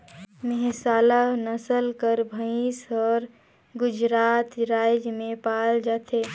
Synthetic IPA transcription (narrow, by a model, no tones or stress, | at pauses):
mɛɦsaːlanəsəlkəɾbʱəisɔːɾ | ɡʊd͡ʒɾaːt̪ɾaːjd͡ʒmẽpaːld͡ʒaːt̪ʰeː